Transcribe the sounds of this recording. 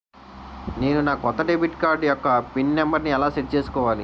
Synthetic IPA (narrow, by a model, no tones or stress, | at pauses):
ne̞ːnunaːkɔt̪ːɐɖebiʈkaːɾɖjɔkːɐpinːɛmbɐɾniɛlaːseʈ̚ːt͡ʃe̞ːsu̥kɔːʋaːlḭ